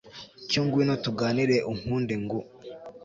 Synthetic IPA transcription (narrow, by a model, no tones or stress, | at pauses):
coːŋɡwinotuɡaːniɾeʔuŋ̥huːndeŋɡo